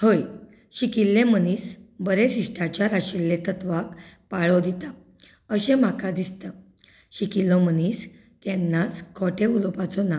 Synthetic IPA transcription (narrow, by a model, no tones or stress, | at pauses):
həj | ɕikilːeməniːsbəɾesiʂʈʰat͡ɕjaɾaɕilːet̪ət̪ʋakpaɭɔd̪it̪a | əɕẽm̤akad̪ist̪a | ɕikilːɔməniːs | t̪jɛnːat͡skʰɔʈʰeulɔpat͡sɔna